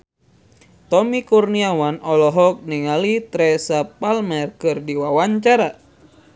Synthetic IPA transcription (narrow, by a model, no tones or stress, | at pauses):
t̪ɔmikurniawanɔlɔɦɔk̚niŋalit̪ɾɛsapalmɛrkɨrdiwawaɲt͡ʃaɾa